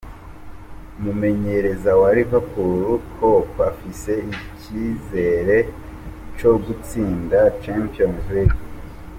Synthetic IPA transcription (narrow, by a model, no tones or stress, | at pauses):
umume̞ɲe̞ɾe̞zawaɾiβapuɾukʰo̞βafise̞icize̞ɾe̞ | t͡ʃo̞ɡut͡siːndat͡ʃampionzliɡ